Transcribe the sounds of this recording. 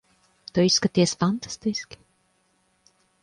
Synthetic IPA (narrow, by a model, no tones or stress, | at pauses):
t̪ɔisːkat̪iɛsfant̪ḁst̪iskʲ